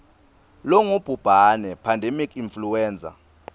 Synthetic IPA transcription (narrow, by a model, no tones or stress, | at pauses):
lɔŋub̥ʱub̥ʱanɛpʰandʱemikʰinfluwɛːnd͡zʱʼa̰